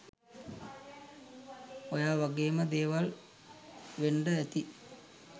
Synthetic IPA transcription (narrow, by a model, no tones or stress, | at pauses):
ojaːʋaɡeːməd̪eːʋal | ʋeɳɖəæt̪i